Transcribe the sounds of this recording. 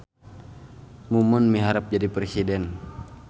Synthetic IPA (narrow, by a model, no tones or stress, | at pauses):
mumənmiɦaɾap̚d͡ʒadipɾesidɛn